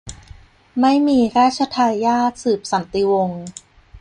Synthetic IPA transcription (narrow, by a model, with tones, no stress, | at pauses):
ma˥˩jmiː˧ɾaː˥˩t̪̚t͡ɕʰa˧t̪ʰaː˧aː˥˩t̪̚sɯː˨˩p̚sa˩˦nt̪i˧wo˧ŋ